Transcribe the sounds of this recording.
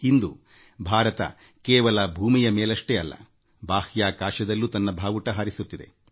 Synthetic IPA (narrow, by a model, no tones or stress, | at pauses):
ind̪u | bʱaːɾɐt̪ɐ̰ | kɛːʋɐlɐbʱuːmijɐmeːlɐʂʈeɐlːɐ̰ | baːhjaːkaːʃɐd̪ɐlːuːt̪ɐnːɐbʱaːʋuʈɐɦaːɾisut̪ːid̪e̞̰